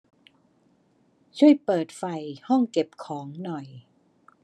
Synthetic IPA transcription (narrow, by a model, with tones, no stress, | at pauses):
t͡ɕʰu˥˩əjpɤː˨˩t̪̚fa˨˩jhɔ˥˩ŋke˨˩p̚kʰɔː˩˦ŋnɔ˨˩j